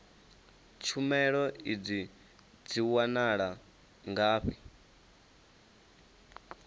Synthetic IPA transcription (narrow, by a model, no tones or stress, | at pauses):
t͡ʃʰumɛɺɔid͡zi | d͡ziwanaɺa | ŋɡaːɸi